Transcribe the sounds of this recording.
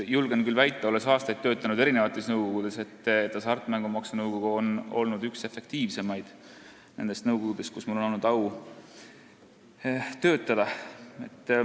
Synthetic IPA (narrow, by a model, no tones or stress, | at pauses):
julɡ̥enkylvæjt̪ːˑɑo̞le̞sɑːst̪ɑjt̪ːø̞ːt̪ːˑɑnud̪e̞ɾine̞vɑt̪ːˑe̞snɤwɡ̥o̞ɡ̥ud̪̥e̞se̞t̪ːˑet̪ːɑsɑrt̪ːˑmæŋɡ̥umɑksunɤwɡ̥o̞ɡ̥uono̞̰lnud̪ykse̞fe̞k̚t̪iːvse̞mɑjd̪̥ | ne̞nd̪e̞st̪nɤwɡ̥oɡud̪̥e̞st̪kusmulono̞lnud̪̥ɑw | t̪ø̞ːt̪ːˑɑd̪̥ɑe̞̰t̪ˑː